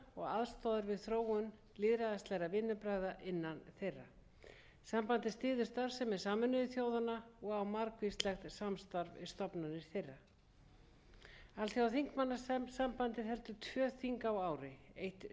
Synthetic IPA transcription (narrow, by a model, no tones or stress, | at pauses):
ɔɣaðst̪ɔːðaɾvɪðθɾoːwʏn | lɪːðɾaðast̪lɛɣɾavɪnːʏpɾaːjðaʔɪnːanθejrːa̰ | sampant̪ɪst̪ɪːðʏ̥st̪aɾv̥sɛmːɛsaːmʏnʏðɪθjoːwðanaɔɣawmaɾkvist̪lɛxt̪samst̪aɾvɪ̰st̪ɔpnanɪɾ̥θejrːa | alθjiawθiŋkmanːasampant̪ɪɦɛlt̪ʏt̪ʰvœːθiŋkawaːwɾɪejht̪